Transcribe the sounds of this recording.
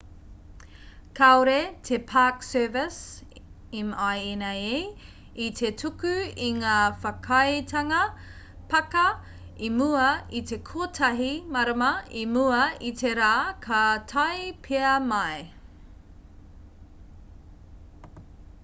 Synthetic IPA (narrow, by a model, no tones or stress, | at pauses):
kʰaoɾetʰepʰaksɛːvɪs | imajenɐe | itʰetʰukʉiŋaːfɐkʰɐjtʰɐŋɐ | pɐkɐ | imuɐitʰekʰoːtʰɐɦimɐɾɐmɐimuɐitʰeɾaːkʰɐtʰɐjpʰeɐmɐj